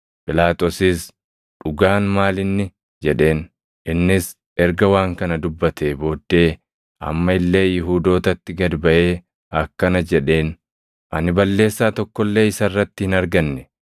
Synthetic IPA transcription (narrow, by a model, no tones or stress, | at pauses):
pɪlaːt̪ʼosɪs | ᶑʊɡaːnmaːlɪnːɪ | d͡ʒɛᶑe̞ːn | ʔɪnːɪs | ʔɛɾɡɐwaːŋkɐnɐd̪ʊbːɐt̪ʰebo̞ːd̪ːe̞ː | ʔɐ̰mːɐɪlːe̞ːjɪɦuːd̪o̞ːt̪ɐt̪ːɪɡɐd̪bɐʔe̞ː | ʔɐkːɐnɐd͡ʒɛᶑe̞ːn | ʔɐnɪbɐlːe̞ːsːaːt̪ɔkːɔlːe̞ːɪsɐrːɐt̪ːɪhɪnɐɾɡɐnːɛ̥